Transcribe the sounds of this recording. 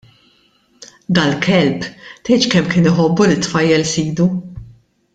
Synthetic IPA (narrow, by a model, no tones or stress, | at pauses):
d̪ɐlkʰɛlpt̪ɛjt͡ʃkɛmːkɪːnɪħɔbːulit̪fɐjːɛlsiːd̪u